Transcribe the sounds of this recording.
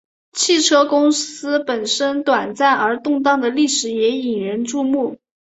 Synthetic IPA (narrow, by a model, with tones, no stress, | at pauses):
t͡ɕʰi˥˩ʈ͡ʂʰɤ˥kʊ˥ŋsɹ̩˥pə˨˩nʂə˥nt̪wa˨˩nt͡sa˥˩nə˞˧˥t̪ʊ˥˧ŋt̪̬ɑ˥˩ŋd̪ə˩li˥˩ʂɻ̩˨˩jɛ˧˥i˨˩ŋɻə˧˥nʈ͡ʂu˥˧mu˥˩